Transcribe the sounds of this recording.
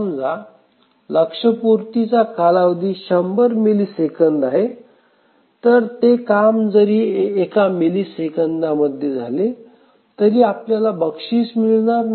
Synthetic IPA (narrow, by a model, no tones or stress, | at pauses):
md͡za | ləkʂəpuɾt̪it͡sakalaʋd̪iːɕəmbəɾmiliːsekənd̪aɦe | t̪əɾt̪ekamd͡zəɾiːekamiliːsekənd̪aməd̪ʱːjed͡zʱa̰le | t̪əɾiːapljalabəkʂiːsmiɭnaɾ